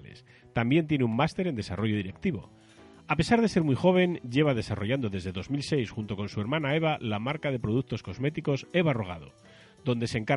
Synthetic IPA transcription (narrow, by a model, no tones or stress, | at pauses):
lḛs | t̪ambje̞nt̪je̞neummast̪e̞ɾe̞nd̪e̞sa̰ro̞ʝo̞ðiɾek̚t̪iβo̞̰ | ape̞saɾð̞e̞se̞ɾmwujxo̞β̞e̞nɟ͡ʝe̞β̞að̞e̞saro̞ʝand̪o̞ðe̞zðe̞ðo̞zmilse̞jsxunt̪o̞ko̞nsue̞ɾmãnae̞βalamaɾkaðe̞pɾo̞ð̞ukt̪o̞sko̞zme̞t̪iko̞se̞βaro̞ɣ̞a̰ð̞o̞̰ | ðo̞nd̪e̞seŋka